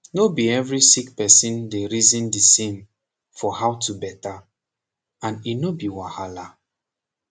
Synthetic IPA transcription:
nobiɛvɹisikpɛsĩndeɹizĩndisẽm | fɔhawtubɛta | ãninobiwahala

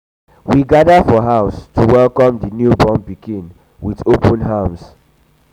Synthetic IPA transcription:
wiɡadəfɔɦaʊstʰuwɛlˠkɔ̃mdənjubɔ̃mpiɡĩn | wiðopʰə̃nɦams

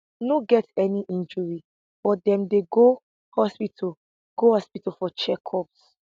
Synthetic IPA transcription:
noɡɛtɛniʔĩnd͡ʒɔɹi | bɔdɛ̃mdeɡo | hɔspitʰl | ɡ̥ohɔspitalfɔt͡ʃɛkʰɔps

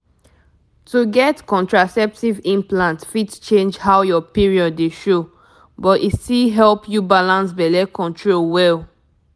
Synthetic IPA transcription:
tuɡɛtkɔ̃ntɹasɛp̚tivĩmplãntfitt͡ʃẽnd͡ʒhawjɔpiɹiɔdːeʃo | bɔtistilɦɛlpʰjubalãnsbɛlɛkʰɔ̃ntʰɹolwɛl

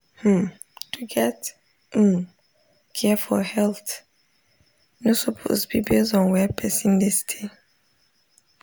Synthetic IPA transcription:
h̩ | d̥uɡɛt̩ | kʰɛfɔhɛlθ | nosopʰo̰sbibezɔ̃nwɛpʰɛsĩndɛstʰe

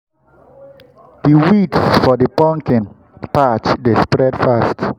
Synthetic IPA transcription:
d̥iwitsfɔdəpɔ̃ŋkĩn | pat͡ʃdespɹɛdfast

